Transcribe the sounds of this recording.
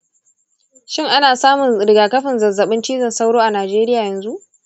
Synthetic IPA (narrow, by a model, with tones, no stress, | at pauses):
ʃɪ˦ŋʔa˦naː˨saː˦mʊ˨nɾɪ˨ɡaː˨kɐ˦ɸɪ˨nzɐ˨zːɐ˨ɓɪ˦nt͡ʃiː˦zɐ˨nsa˦wɽoː˦ʔa˨naː˨d͡ʒeː˦ɾɪ˦jaː˨jɐ˨nzu˦ʔ